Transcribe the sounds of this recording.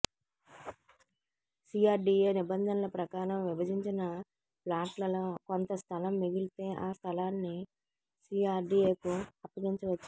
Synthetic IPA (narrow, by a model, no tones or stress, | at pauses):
siːaːɾɖiːeːnibɐnd̪ʱɐnɐlɐpɾɐkaːɾɐmʋibɐdiɲt͡ʃinɐ | plaːʈlɐloːkont̪ɐst̪ʰɐlɐmːiɡilt̪e̞ːʔaːst̪ʰɐlaːnːi | siːaːɾɖiːeːkuɐpːɐɡiɲt͡ʃɐʋɐt͡ʃː